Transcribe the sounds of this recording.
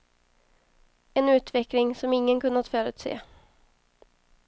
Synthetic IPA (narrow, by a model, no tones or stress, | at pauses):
ɛnʉ̟ːt̪vɛklɪŋsɔmɪŋːənkɵnat̪fœːɾʉ̟ːt̪sḛː